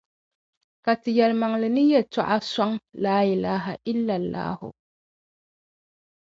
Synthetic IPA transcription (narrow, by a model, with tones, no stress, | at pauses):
ka˨tɨ˨jɛ˨lma˨ŋ˨lɨ˨nɨ˦jɛ˨ta˦˨ʔa˦sa˦ŋlaː˦ʔɪ˨laː˦ɦa˨ʔɪ˦lːa˨lːa̰ː˦hʊ̰˨